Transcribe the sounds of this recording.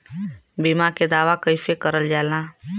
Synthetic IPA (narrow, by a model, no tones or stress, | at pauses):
bimaked̪aːʋakəjfekəɾəld͡ʒalã